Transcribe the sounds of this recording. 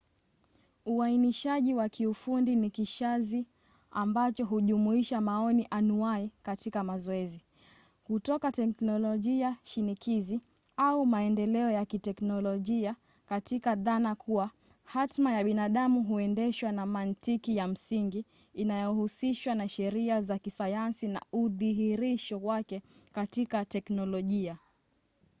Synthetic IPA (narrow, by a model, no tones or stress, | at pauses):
uainiʃaʄiwakiufundinikiʃazi | ambat͡ʃɔɦuʄumuiʃamaɔniʔanuaikatikamazɔɛzi | kutɔkatɛknɔlɔʄiaʃinikʰizi | aumaɛndɛlɛɔjakitɛknɔlɔʄia | katikaðanakʰuwa | hatmajaɓinaɗamuɦuɛndɛʃwanamantikijam̩siŋɡiː | najɔhusiʃwanaʃɛɾiazakisajansina̰uðiɦiɾiʃɔwakɛkatikatɛknɔlɔʄia